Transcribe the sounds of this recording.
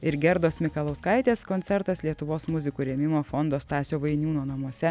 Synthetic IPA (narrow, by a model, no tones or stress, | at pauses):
ɪɾɡʲɛɾd̪oːsmʲɪkɐlˠɐʊskɐɪt̪ʲeːskoːnʲsʲɛɾt̪ɐslʲiɛt̪ʊʋoːsmʊzʲɪkuːɾʲeːmʲɪmoːfond̪oːst̪ɑːsʲoːʋɐɪnʲuːnoːnɐmuɔsʲɛ